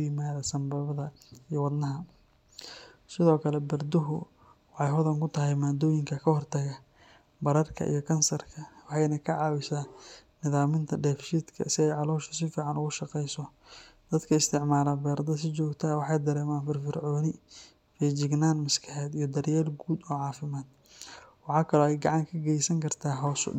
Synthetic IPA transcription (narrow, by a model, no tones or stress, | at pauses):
ʊjɪmaːðɐsɐmbɐβɐðɐijɔwɑd̪nɐɦɐ | sɪðɔːkʰɐlɛbɐrd̪ʊɦʊ̰ | wɑħɑjɦʊðɐŋkʊt̪ʰɐɦɛjmaːd̪ɔːjɪŋkʰɐkʰɐhɔrt̪ʰɐɣɐ | bɐɾɐrkʰɐ̰ʔḭjɔkʰɐnsɐrkʰɐwɑħɑjnɐkʰɐʕɑːwɪsaːnɪðaːmɪnt̪ʰɐɖɛːfʃiːd̪kʰɐ̰sɪɛjʕɑlɔːʃɐ̥sɪfiːʕɑnʊɣʊʃɑqɛjsɔ | d̪̥ɐd̪kʰɐɪst̪ʰɪʕmaːlɐbɛːɾd̪ɐs̬ɪt͡ʃɔːɡt̪ʰɐwɑħɑjd̪ɐɾɛːmaːnfɪrfɪrʕɔːnɪ | fɛd͡ʒɪɡnaːnmɐskʰɐħɛːd̪ijɞd̪ɐɾjɛːlɡuːd̪ɔːʕɑːfɪmaːd̪̥̚ | wɑħɑːkʰɐlɔːɛjɡɑʕɑŋkʰɐɡɛjsɐŋkʰɐrt̪ʰaːɦɔːs